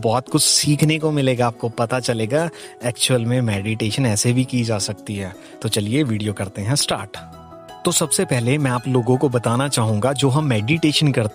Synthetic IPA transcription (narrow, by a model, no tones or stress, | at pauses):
bɔːt̪kʊt͡ʃʰsiːkʰnekomɪleːɡaaːp̚kopɐt̪at͡ʃɐleːɡa | ɛːkt͡ʃuəlmẽmɛːɖiʈeːʃənɛːsebʱikid͡ʒaːsɐk̚t̪iɦɛː | t̪ot͡ʃɐlieʋiːɖijokɐɾt̪eɦɛ̃sʈaːɾʈ | t̪osɐbsepɛɦlemɛ̃aːploːɡõkobɐt̪aːnat͡ʃaːɦũːŋɡad͡ʒoːɦɐmːɛːɖiʈeːʃənkɐɾt̪